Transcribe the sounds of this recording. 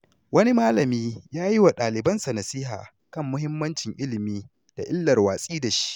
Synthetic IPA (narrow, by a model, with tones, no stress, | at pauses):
wɐ˦ni˦maː˦lɐ˨miː˦jaː˦ji˦wa˨ɗaː˨lɪ˨bɐ˦nsɐ˨nɐ˨sɪː˦ɦaː˨ | kɐ˦˨mːʊ˦ɦɪ˦mːɐ˦nt͡ʃɪ˨ŋʔɪ˦lɪ˨miː˦ | d̥a̰˨ʔɪ˦lːɐ˨rwaː˨sʼiː˦da˨ʃi̥˦ʔ